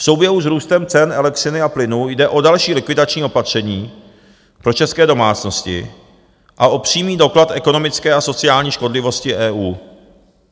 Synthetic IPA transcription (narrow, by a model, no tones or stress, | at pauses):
fso̞wbjɛɦuzɾuːst̪ɛmt͡sɛnʔɛlɛksɪnɪaplɪnujdɛʔo̞dalʃiːlɪkvɪdat͡ʃɲiːo̞pat̪r̝̥ɛɲiː | pɾo̞t͡ʃɛskɛːdo̞maːt͡sno̞scɪ̰ | ʔaʔo̞pr̝̥iːmiːdo̞klat̪ʔɛko̞no̞mɪt͡skɛːaso̞t͡sɪaːlɲiːʃko̞dlɪvo̞scɪʔɛːʔuː